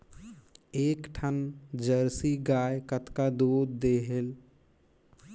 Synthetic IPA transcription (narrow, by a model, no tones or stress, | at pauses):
eːkʈʰənd͡ʒəɾsiɡaːekət̪kad̪oːd̪ːeːɦel